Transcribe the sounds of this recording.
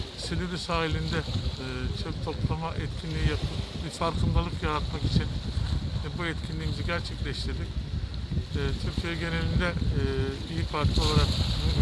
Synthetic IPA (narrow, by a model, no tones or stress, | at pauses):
sed̪iɾisaːɦilʲind̪ɛː | t͡ʃʰøpt̪ʰo̞plˠamaʔɛt̪cʰinlʲijijapɯbifaɾkʰɯnd̪alˠɯkjaɾat̪maki̥t͡ʃʰin | buɛt̪cʰinlʲiːmiziɟæɾt͡ʃʰɛclʲɛʃt̪ʰiɾd̪ic | ɛːt̪ʰyɾcʰijɛɟe̞ne̞lʲind̪ɛ | ijifaɾt̪lˠɯo̞lˠaɾak